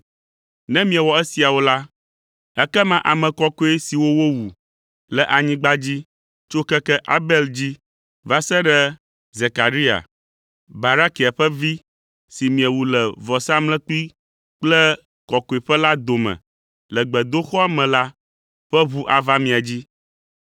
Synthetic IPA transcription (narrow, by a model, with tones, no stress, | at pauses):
nɛ̃˦mĩ˦ɛ˨wɔ˨ɛ˦si˨a˨wo˦la˦ | ɛ˦kɛ˦mã˨ʔa˨mɛ̃˨kɔ˦ko˦e˦si˨wo˦wo˦wu˨ | lɛ˨ʔa˨ɲĩ˦ɡ͡ba˦d͡ʑi˦ | t͡ʃo˦kɛ˦kɛ˦ʔa̰˦bɛ˦ld͡ʑi˦ | va˦sɛ˦ɖɛ˦ | ze˨ka˨ɾi˦a̰˨ | ba˨ɾa˦ki˨a˨ɸɛ˦vi˦ | si˨mĩ˨ɛ˨wu˨lɛ˨vɔ˨sa˦mlɛ̃˦k͡pi˦ | k͡plɛ˦ | kɔ˨ko˨e˨ɸɛ˦la˦d̪o˨mɛ̰̃˨ | lɛ˨ɡ͡bɛ˨d̪o˦xɔ˦a˨mɛ̃˨la˦ | ɸɛ˦βu˦ʔa˨va˦mĩ˨a˨d͡ʑi˦